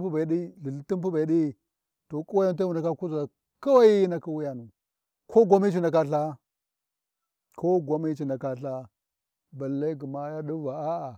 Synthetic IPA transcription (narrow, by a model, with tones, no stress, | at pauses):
pu˦ba˨i˨˦ɗi˦li˨ɬti˦mp̬u˦ba˨i˦ɗi˦ | to˨ku˦wa˦ja˦nt̬a˦wu˨nda˨ka˦ku˦za˨ | ka˦wa˦ji˦na˦ki˦wu˦ja˨nu˨ | kʰo˦ɡʷa˦mi˦t͡ʃi˦na˨ka˦ɬa˦ | kʰo˦ɡʷa˦mi˦t͡ʃi˨na˨ka˦ɬa˦ | ba˨lːa˦ɡu˨ma˦ja˦ɗu˦va˨a˦a˨